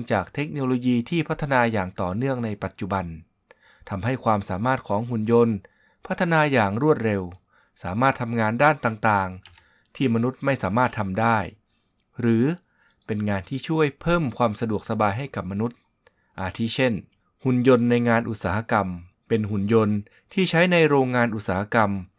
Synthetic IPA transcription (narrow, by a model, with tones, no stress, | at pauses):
ŋt͡ɕaː˨˩k̚t̪ʰe˦˥k̚noː˧loː˧jiː˧t̪ʰiː˥˩pʰa˦˥t̪ʰːa˧naː˧jaː˨˩ŋt̪ɔː˨˩nɯ˥˩əŋna˧jpa˨˩t̪̚t͡ɕu˨˩ba˧n | t̪ʰa˧mɦa˥˩jkʰwaː˧msaː˩˦maː˥˩t̪̚kʰɔː˩˦ŋɦu˨˩njo˧n | pʰa˦˥t̪ʰːa˧naː˧jaː˨˩ŋɾu˥˩ət̪̚ɾe˧w | saː˩˦maː˥˩t̪ʰa˧mŋaː˧ndaː˥˩nt̪aː˨˩ŋt̪aː˨˩ŋ | t̪ʰiː˥˩ma˧nu˦˥t̪̚ma˥˩jsaː˩˦maː˥˩t̪ʰːa˧mdaː˥˩j | ɾɯː˩˦ | pe˧nŋaː˧nt̪ʰiː˥˩t͡ɕʰu˥˩əjpʰɤː˥˩mkʰwaː˧msa˧du˨˩ək̚sa˧baː˧jɦa˥˩jka˨˩p̚ma˧nu˦˥t̪̚ | ʔa˧t̪ʰiː˦˥˩t͡ɕʰe˥˩n | hu˨˩njo˧nːa˧jŋaː˧nʔu˨˩t̪̚saː˩˦ha˧ka˧m | pe˧nɦu˨˩njo˧n | t̪ʰiː˥˩t͡ɕʰa˦˥jna˧jɾoː˧ŋːaː˧nʔu˨˩t̪̚saː˩˦ha˧ka˧m